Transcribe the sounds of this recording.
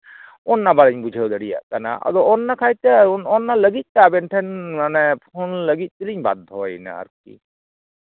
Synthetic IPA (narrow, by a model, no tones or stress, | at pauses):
ɔnːabalɛɲbud͡ʒʱəwd̪əɽija̰ʔkana̰ʔa̰d̪ɔɔnːakʰajt̪ɛnɔnːaləɡit̪̚ˀt̪ɛabɛnʈʰɛnmanɛpʰonləɡit̪̚ˀt̪iliɲba̰d̪̚ːɔwajna̰a̰ɾkḭ